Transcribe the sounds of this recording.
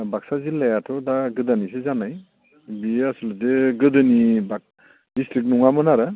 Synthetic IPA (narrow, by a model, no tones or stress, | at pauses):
baksazilajatʰɔdaɡɯdanisezanaj | biasɯlzeɡɯdɯniba | distɾik̚muŋamɯnaɾɯ